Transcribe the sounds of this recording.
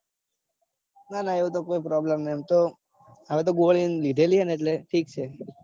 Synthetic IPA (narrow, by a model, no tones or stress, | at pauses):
nanaeʋũt̪okoipɾɔblemnmt̪o | əʋet̪oɡoɭinlid̪ʱelieneeʈleʈʰiːk̚t͡ʃʰe